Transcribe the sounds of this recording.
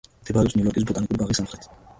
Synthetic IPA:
mt̪ʰɛbaɾɛpsnjujɔɾkʼis̬bɔt̪ʼanikʼuɾbaʁisamχɾɛt̪ʰ

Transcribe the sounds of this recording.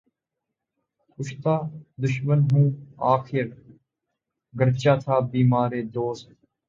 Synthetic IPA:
ʊʃt̪aːd̪ʊʃmənɦũːaːkʰɪɾ | ɡəɾt͡ʃaːt̪ʰaːbiːmaːɾeːd̪oːst̪

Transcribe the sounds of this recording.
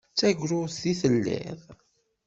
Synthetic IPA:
t͡sːæʝɾʊθiθəlːḭð

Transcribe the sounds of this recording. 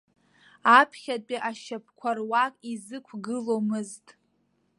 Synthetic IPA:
apʰχʲat͡pʼiʔaʃap̚ʰkʷʰarwakʼizɨkʷʰɡɨlomɨztʼ

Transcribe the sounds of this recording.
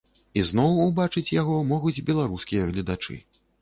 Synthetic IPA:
iznɔwubat͡ʂɨt͡sʲjaɣɔmɔɣud͡zʲbʲɛlˠaɾuskʲijɐɣlʲid̪at͡ʂɨ̰

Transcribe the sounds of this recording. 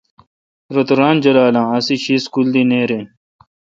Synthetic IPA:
ɾɐt̪uɾãːnd͡ʑɐlaːlãːɐsiɕʰiskuld̪ineːɾẽː

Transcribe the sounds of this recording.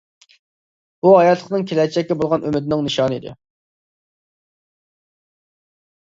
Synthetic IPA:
b̥uhɑjɑt̪ʰlˠəqnɨŋkʲʰelɛt͡ʃʰɛkʲːɛbolˠʁɑnʔømɪd̪ɪnɪŋnɨʃɑːnɨid̪ɪ̰

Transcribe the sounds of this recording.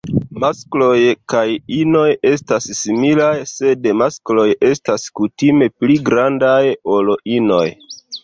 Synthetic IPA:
masklo̞jkajino̞je̞stasːimilajse̞dmasklo̞je̞staskutime̞pliɡɾandajo̞lo̞ʔino̞̰j

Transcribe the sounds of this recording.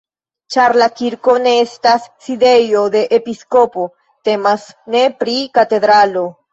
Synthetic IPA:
t͡ʃaɾlakiɾkoneest̪asːid̪ejod̪e̞ʔepiskopo | t̪emasnepɾikat̪edɾalo

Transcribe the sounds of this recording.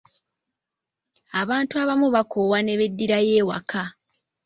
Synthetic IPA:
aβaːntuaβamuβakʰowane̞βedːiɾaje̞ːwa̰kʰa

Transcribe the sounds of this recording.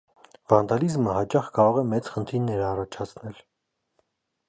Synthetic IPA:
vɑnd̪ɑlizməhɑt͡ʃɑχkɑɾɔʁɛmɛt͡sχənt̪ʰiɾnːɛɾɑrɑt͡ʃʰɑt͡sʰnɛl

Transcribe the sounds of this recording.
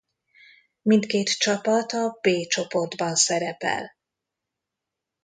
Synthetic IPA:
mint̪keːt̪t͡ʃɒpɒt̪ɒbeːt͡ʃo̞po̞rd̪bɒnsɛɾɛpɛ̰l

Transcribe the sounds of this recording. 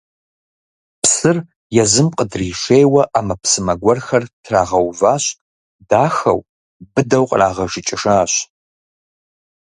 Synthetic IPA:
psɨr | jɛzɨmqʼədriːʃejwɐʔaːmɐpsɨmɐɡʷɔrxɐrtʰraːʁɐwvaːɕ | daːxɐ̰w | bɨdɐwqʼraːʁɐʒɪt͡ʃʼɪʂaːɕ

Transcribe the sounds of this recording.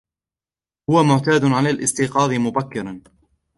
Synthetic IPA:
hʊwamʊʕt̪aːd̪ʕalaːlʔɪst̪iːqɑːd̪ˤɪmʊbakːɪɾˤɑn

